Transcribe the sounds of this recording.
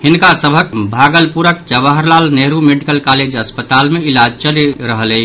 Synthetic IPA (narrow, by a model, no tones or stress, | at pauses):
hinkasəbʱəkbʱaɡəlpuɾəkd͡ʒəbəɦəɾlalneɦɾumeɖikəlkaled͡ʒəspət̪almeilad͡ʒt͡ʃəleɾəɦəlɛ